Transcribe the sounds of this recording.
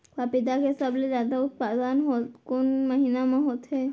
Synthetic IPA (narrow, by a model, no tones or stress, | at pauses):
kapid̪akɦisabled͡ʒad̪aut̪̚pad̪anɦot̪konməɦinamãɦot̪ɦe